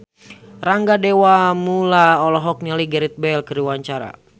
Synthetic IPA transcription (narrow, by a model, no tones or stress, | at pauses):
raŋɡadewamulaɔlɔɦɔk̚ɲaliɡɛɾit̪̚bɛlkəɾiwaɲt͡ʃaɾa̰